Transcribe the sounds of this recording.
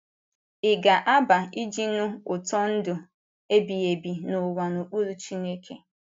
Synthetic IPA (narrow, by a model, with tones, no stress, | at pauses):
ɪ˨ɡa˨ʔa˦ba˨i˦d͡ʒi˦nʊ˦ʊ˨tɔ˦n̩˦dʊ˨ | e˦bi˨e˨bi˨nʊ˨wa˨nu˨k͡pu˦ɾu˦t͡ʃi˦ne˦kʰe˨